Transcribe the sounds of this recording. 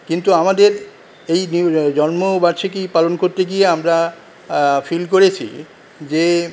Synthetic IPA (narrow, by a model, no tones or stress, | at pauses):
kint̪uamad̪eɾ | ejnd͡ʑɔnmobaɾʃʰekipalonkoɾt̪eɡieamɾa | filkoɾet͡ɕʰḭ | d͡ʑe